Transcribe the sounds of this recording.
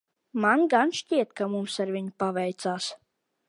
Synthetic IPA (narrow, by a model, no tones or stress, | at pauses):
manɡanʃciɛt̪kamumsaɾvʲiɲupavɛjt̪saːs